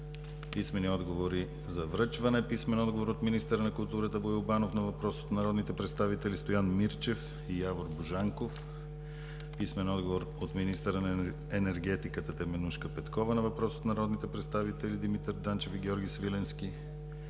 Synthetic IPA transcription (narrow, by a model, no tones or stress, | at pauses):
pismɛniɔd̪ɡovoɾi | zɐvɾɤt͡ʃvɐnɛpismɛnɔd̪ɡovoɾot̪minist̪ɛɾənɐkʊlˠt̪uɾət̪əboiʊbanofnɐvɐpɾɔso̥t̪nɐɾɔd̪nit̪ɛpɾɛt̪st̪avit̪ɛlist̪ojanmiɾt͡ʃɛf | ijavoɾbuʒaŋkof | pismɛnɔd̪ɡovoɾ | ot̪minist̪əɾən | ɛnɛɾɡɛt̪ikət̪ət̪ɛmɛnuʃkəpɛt̪kɔvənɐvɐpɾɔso̥t̪nɐɾɔd̪nit̪ɛpɾɛt̪st̪avit̪ɛlid̪imit̪ɛɾd̪ant͡ʃɛfiɡʲɔɾɡʲisvilɛnsk̟i